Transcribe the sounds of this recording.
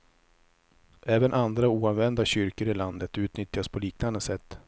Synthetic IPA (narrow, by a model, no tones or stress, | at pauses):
ʔɛːvənʔand̪ɾauːanvɛnd̪aɕʏɾkəɾɪland̪ət̪ʉ̟ːt̪nʏt̪jaspʰɔliːknand̪əsɛt̪ː